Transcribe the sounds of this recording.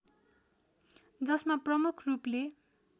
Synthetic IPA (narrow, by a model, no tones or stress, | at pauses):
d͡zʌsmaprʌmukʰruple